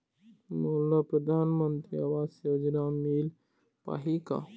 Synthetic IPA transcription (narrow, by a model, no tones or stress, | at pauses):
moːlapɾəd̪ʱaːnmənt̪ɾiaʋaːsod͡ʒnamil | pa̰ɦika̰